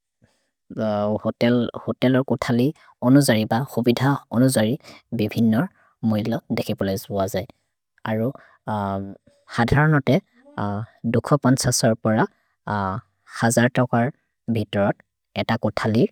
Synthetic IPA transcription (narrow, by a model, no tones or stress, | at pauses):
hotɛlhotɛlɔɹkʊtʰali | onuzaɹibaxubidʱaɔnuzaɹibibʱinːɔɹ | moɦilɔdekʰibɔlojzʊazaj | aɹu | xadʱaɹɔnɔtɛ | dukʰɔpɔnsasɔɹpɔɹa | xazaɹtɔkaɹ | bʱitɔɹɔt | ɛtakʊtʰaliɹ